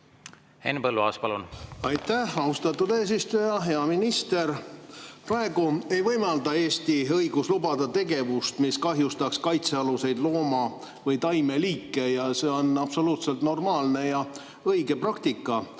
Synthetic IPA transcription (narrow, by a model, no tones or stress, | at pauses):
ḛnːpɤlːuɑ̰ːspɑlunɑjt̪ːæhɑust̪ɑt̪ːˑud̪eːs̬ist̪ujɑɦe̞ɑminist̪e̞rprɑe̞ɡ̥ue̞jvɤjmɑld̪ɑe̞ːst̪iɤjɡ̥uslubɑd̪̥ɑt̪e̞ɡe̞vust̪miskɑɦjust̪ɑkskɑjt̪se̞ɑluse̞jd̪̥lo̞ːmɑ | vɤjt̪ɑjme̞liːkːˑe̞jɑse̞ːo̞nɑpso̞luːt̪se̞lt̪no̞rmɑːlne̞jɑ | ɤjɡe̞prɑk̚t̪ikːˑɑ